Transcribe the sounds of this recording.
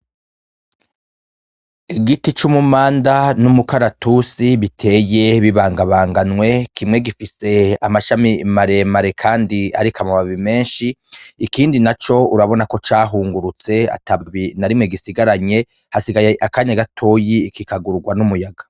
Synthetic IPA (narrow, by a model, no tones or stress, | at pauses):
iɡitit͡ʃumumaːndanumukaɾatusiβitʰe̞ːje̞βiβaːŋɡaβaːŋɡanŋwe̞kʰimŋe̞ɡifise̞amaʃamimaɾe̞maɾe̞kʰaːndia̰ɾikʰamaβaβime̞ːnʃiːkiːndinat͡ʃo̞uɾaβo̞nako̞t͡ʃaːɦuːŋɡuɾut͡se̞a̰taβinaɾimŋe̞ɡisiɡaɾaɲe̞ | hasiɡajeʔakaːɲaɡatʰo̞ːjikikaɡuɾuɡwanumujaɡḁ